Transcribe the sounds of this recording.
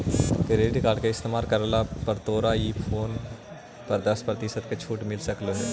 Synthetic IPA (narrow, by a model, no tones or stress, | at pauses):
kɾeːɖkaːɾɖkeɪst̪eːmaːlkɐɾlapɐɾt̪oːɾaiːpʰoːn | pɐɾd̪ɐspɾət̪ɪsət̪ket͡ʃʰuːʈmɪlsɐkloɦe